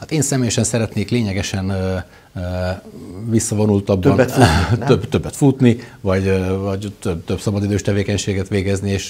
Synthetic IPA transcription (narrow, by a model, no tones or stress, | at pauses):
hat̪eːnsɛmeːjɛʃɛnsɛɾɛt̪neːkleːɲɛɡɛʃɛn | visːɒvo̞nult̪ɒb̪ːnt̪øbt̪ø̞bːɛt̪fut̪nivɒɟvɒɟt̪øbt̪øbsɒbɒd̪id̪øːʃt̪ɛveːkɛɲʃeːɡɛt̪ʋeːɡɛznieːʃ